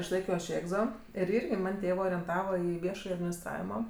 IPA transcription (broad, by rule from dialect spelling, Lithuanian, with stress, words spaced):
ɪʃˈlˠɐɪkʲoː ɐʃ ˈeːɡzoː ɪr ˈɪrʲɡʲɪ ˈmɐnʲ ˈtʲeːʋɜ oːrʲɛnˈtɑːʋɐ ˈiː ˈʋʲiɛʃɐj ɐdʲmʲɪnʲɪsˈtrɑːʋʲɪmoː